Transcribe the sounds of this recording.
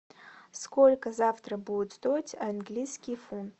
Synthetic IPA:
skolʲkɐzaft̪rɐbujut̪zt̪o̞jtʲʰanɡlʲijskʲijfunt

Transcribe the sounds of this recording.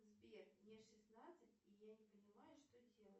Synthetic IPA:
zbʲernʲɛʂɨsnat̪sɨtʲijanʲɪpənʲɪmajʊʂt̪odʲe̞lˠətʲ

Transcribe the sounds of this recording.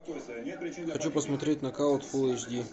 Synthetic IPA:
xɐt͡ɕupəsmɐt̪ɾʲet̚ʲnɐkalˠt̪foɛt͡ɕd̪ʲi

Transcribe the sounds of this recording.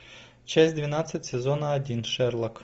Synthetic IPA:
t͡ʃɛsʲd̪ʲʋʲinɑt͡sʲːɐtʲsezɔnɐɐdʲinʃɛrlˠɐk

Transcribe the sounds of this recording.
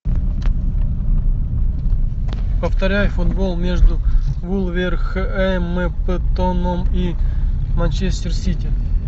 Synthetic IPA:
pəft̪ɐɾʲæjʊfʊd̪bolˠmʲe̞ʐd̪ʊvulˠvʲerxəʔɛmɛpət̪onəmimant͡ɕesʲtʲɪrsʲitʲɪ

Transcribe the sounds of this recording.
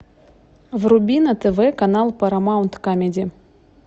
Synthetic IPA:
vrʊbʲinət̪ɛvɛkɐnalˠpɐɾɐmaʊnt̪kamʲedʲɪ

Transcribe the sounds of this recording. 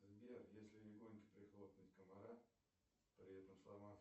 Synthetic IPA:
zbʲerjesʲlʲɪlʲɪɡonʲkʲə̥pɾʲɪxlˠop̪nʲətʲkəmaɾa | pɾʲɪɛt̪əmslˠama

